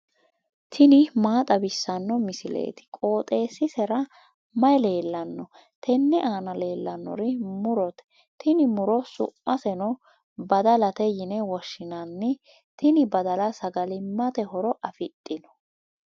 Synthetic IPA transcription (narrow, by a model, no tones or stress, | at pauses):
t̪ʰɪnɪmaːt̪ʼɐbɪsːɐnːɔmɪsɪlḛːt̪ɪ̥kʼo̞ːt̪ʼe̞ːsɪsɛɾɐ | mɐjle̞ːlːɐnːɔ | t̪ʰɛnːɛʔaːnɐle̞ːlːɐnːɔ̰ɾɪmʊɾɔt̪ɛ̥ | t̪ɪnɪmʊɾɔsʊ̰mːɐsɛnɔ | bɐd̪ɐlɐt̪ɛjɪnɛwɔʃːɪnɐnːɪ | t̪ɪnɪbɐd̪ɐlɐsɐɡɐlɪmɐt̪ɛhɔɾɔʔɐfɪt̪ʼːɪnɔ̥